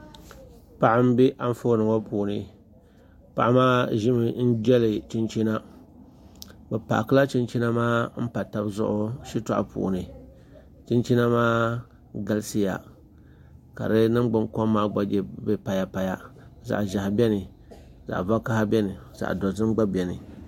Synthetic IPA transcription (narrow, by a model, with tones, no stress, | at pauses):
pa˨ʔa˦m˦bi˦ʔa˦ɱ˦foː˦nɨ˨ŋo˦pʰuː˨nɨ˨ | pa̰˨ʔa˦maː˦ʒɪ˦mɨ˨n̩˦d͡ʒɛ˦lɨ˨t͡ʃi˦nt͡ʃi˦na˦ | bɛ˨pa̰˨ʔkɨ˦la˦t͡ʃi˦nt͡ʃi˦na˦maː˦m̩˦pa˨ta˨bzʊ̰˦ʔʊ˦ʃi˦ta̰˦ʔa̰˨pʰṵː˨nɨ˨ | t͡ʃi˦nt͡ʃi˦na˦maː˦ | ɡa˦lsi˦ja̰˨ | ka̰˨ɾɨ˦nɨ˦mɡ͡bʊ˨ŋko˦mːaː˦ɡ͡ba˨ɡɛ˦bɛ˦pa˨ja˦pa˨ja˦za̰˨ʔʒa˨ha˨bʲɛ˦nɨ˨ | za̰˨ʔva˦ka˦ha˦bʲɛ˦nɨ˨za̰˨ʔdɔ˨zɨ˦m˦ɡ͡ba˦bɛ˨nɨ˨